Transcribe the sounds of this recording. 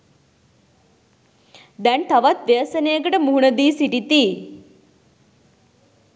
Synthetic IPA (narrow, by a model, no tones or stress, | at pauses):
d̪ɛnt̪aʋat̪ʋeəsənejəkəʈəmuɦunəd̪iːsiʈit̪iː